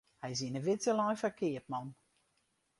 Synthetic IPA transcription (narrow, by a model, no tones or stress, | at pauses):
hɛjs̬inəʋɪtsəlɔjfəkʰɪət̚mɔn